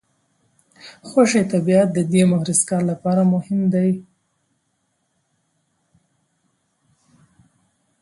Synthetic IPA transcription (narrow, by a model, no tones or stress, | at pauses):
xwaʂet̪abiat̪̚d̪əd̪emʊhɾɪskɑɾlapɑɾamʊhɪmd̪aj